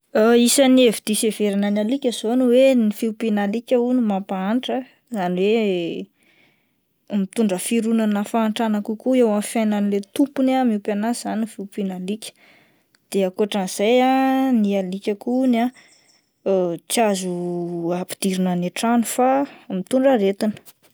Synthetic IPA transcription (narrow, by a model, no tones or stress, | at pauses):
aisənievid̪̥iseveɾananalikʲəzonuwenifiwpinalikʲəunumapaaɳʈ͡ʂə | zaniwe | mit̪uɳɖ͡ʐəfiɾunanəfaːɳʈ͡ʂanakukuewamfajnanilet̪upunamiupanaz̥anifiupinalikʲə̥ | d̪̥eakuaʈ͡ʂaniz̥ajanialikʲəkuna | t͡siazuapi̥d̪̥iɾinaneʈ͡ʂanufamit̪uɳɖ͡ʐaɾet̪inə̥